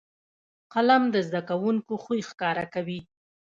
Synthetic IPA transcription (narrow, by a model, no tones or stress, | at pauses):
qalamd̪əzd̪akawuŋkoxujxkɑɾakawi